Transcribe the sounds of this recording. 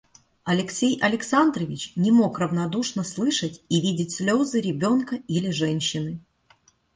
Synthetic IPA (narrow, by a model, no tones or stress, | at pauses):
ɐlʲɪksʲejʔɐlʲɪksand̪ɾəvʲɪt͡ɕnʲɪmo̞krəvnɐd̪uʂnəslˠɨʂətʲivʲidʲɪtʲsʲlʲo̞zɨɾʲɪbʲo̞nkəilʲɪʐɛnʲɕːɪnɨ